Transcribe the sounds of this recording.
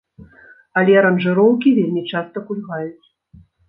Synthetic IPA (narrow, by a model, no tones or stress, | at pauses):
ɐlʲɛɐɾɐnʐɨɾɔwkʲivʲelʲmʲit͡ʂast̪ɐkulʲɣajut͡sʲ